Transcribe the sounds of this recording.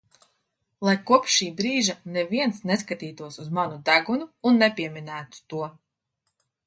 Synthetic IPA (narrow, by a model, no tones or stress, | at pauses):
lˠajkuɔpʃːiːbɾiːʒanɛviɛnsnɛskat̪iːt̪uɔsuzmanud̪æɡunuːnːɛpʲiɛmʲinæːt̪u̥t̪uɔ